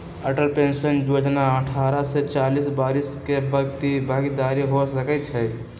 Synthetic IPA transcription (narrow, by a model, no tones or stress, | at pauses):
əʈəlpensənjod͡ʒnaəʈʰaɾəset͡ʃalisbaɾiskebəɡt̪ibʱaɡid̪aɾiɦosəkɛt̪t͡ʃʰɛ